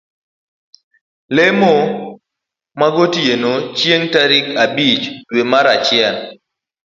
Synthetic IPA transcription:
lemo | maɡotjenot͡ʃjeŋtaɾɪkabit͡ʃdwemaɾat͡ʃɪɛn

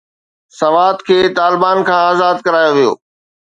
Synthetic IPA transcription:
sɐʋaːt̪kʰeːt̪aːlɪbaːnkʰãːaːzaːd̪kɐɾaːjoʋijo̰ː

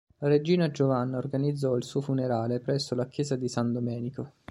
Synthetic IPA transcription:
laɾed͡ʒiːnad͡ʒovanːaorɡanid̪zːɔilsuːofuneɾaːlepɾɛsːolakjɛːzad̪isand̪omɛːniko

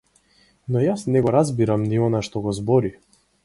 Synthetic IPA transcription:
nɔjasnɛɡɔɾazbiɾamniɔnaʃt̪ɔɡɔzbɔɾi

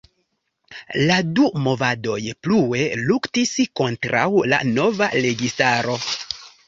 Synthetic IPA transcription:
ladumo̞vado̞jplue̞luktisko̞ntɾa̰wla̰no̞vaɾe̞ɡistaɾo̞

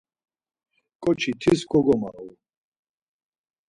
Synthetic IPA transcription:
kʼɔt͡ʃʰit̪ʰiskʰʼɔɡɔma̰w

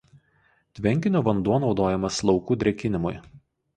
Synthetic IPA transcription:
t̪ʲʋʲɛŋʲkʲɪnʲoːʋɐnd̪uɔnɒʊd̪oːjɛmɐslˠɒʊkuːd̪ʲɾʲɛkʲɪnʲɪmʊ̰j

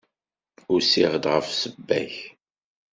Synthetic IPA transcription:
ʊɾsiʁd̪ʁəfsəbːæ̰ç

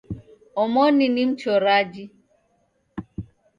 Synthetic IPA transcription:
ɔmɔninim̩t͡ʃɔɾad͡ʒi

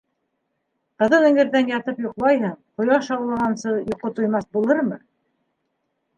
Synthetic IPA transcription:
qɤ̆ðɤnɘ̆ŋɘ̆ɾðænjɑt̪ɤpjŏqlˠɑjɦɤɴqŏjɑʃɑwlˠɑʁɑnsɤjŏqːot̪ŏjmɑθbulˠɤɾmɤ

